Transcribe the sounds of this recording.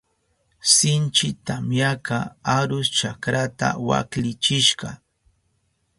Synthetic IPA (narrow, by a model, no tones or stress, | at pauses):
sɪnt͡ʃɪt̪amjakaaɾʊst͡ʃakɾat̪a̰wa̰klɪt͡ʃɪʃɢɑ